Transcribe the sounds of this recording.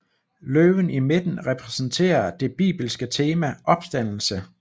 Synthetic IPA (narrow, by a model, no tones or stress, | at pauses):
løːʋənime̝d̥n̩ʁɛpʰʁɛsn̩t͡sʰe̝̰ːɐd̥e̝b̥ḭːb̥l̩sɡ̥ət͡sʰe̝ːmæʔɒ̽b̥sd̥æn̰l̩sə